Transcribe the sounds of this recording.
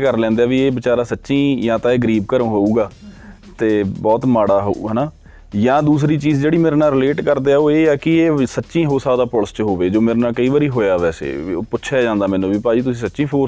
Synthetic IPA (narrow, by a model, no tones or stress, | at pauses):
kəɾlɛ̃ːnd̪eaːʋiːeːbɪt͡ʃaːɾaːsətːʃĩːjãːt̪ãːeːɡəɾiːb̚kəɾ̃ːɦoːuːɡaː | t̪eːbɔːt̪maːɽaːɦo̰ṵɦənaː | jãːd̪uːs̬ɾiːt͡ʃiːzd͡ʒeːɽiːmeːɾnaːɾɪleːʈkəɾd̪eːaːoːeːaːkɪeːsətːʃĩːɦoːsaːd̪aːpɔːlst͡ʃɦoːʋeːd͡ʒoːmeːɾnãːkəiːʋaːɾiːɦoːjaːʋɛːsḛːpʊtːʃʰaːd͡ʒãːnd̪aːmɛ̃ːnũːbiːpaːd͡ʒiːt̪̬ʊsĩːsətːʃĩːpʰoːɾ